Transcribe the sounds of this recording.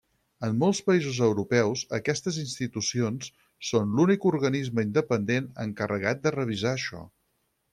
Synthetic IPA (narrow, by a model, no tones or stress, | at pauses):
əmːolˠspəizuzəwɾupɛwzə̰kɛst̪əzinst̪it̪usionsː | onlunikuɾɣənizməind̪əpənd̪enə̰ŋkərəɣ̞at̪̚d̪ərəβ̞izaəʃɔ̰